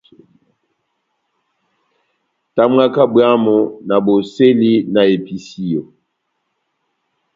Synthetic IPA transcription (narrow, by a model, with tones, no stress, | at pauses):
ta˦m˦a˦ka˦bwa˦mo˨na˨bo˨se˦li˦na˨e˨pi˨si˦jo˨